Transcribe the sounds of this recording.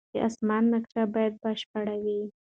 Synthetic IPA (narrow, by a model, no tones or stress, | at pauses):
dəʔa̰smɑnːakʃabɑjad̪̚bəʃpaɽawi